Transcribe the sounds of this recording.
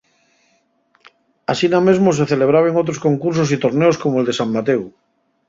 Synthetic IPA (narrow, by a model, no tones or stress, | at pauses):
asiname̞zmos̬e̞θeleβ̞ɾaβ̞eŋot̪̬ɾoskoŋkuɾs̬os̬it̪oɾneoskomoeld̪e̞samːat̪ew